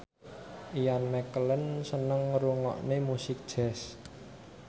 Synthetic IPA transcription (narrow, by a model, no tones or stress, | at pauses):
ʔijanmɛkələnsənəŋɾuŋɔ̰ʔnemusɪk̚d̥ʒ̥ɛs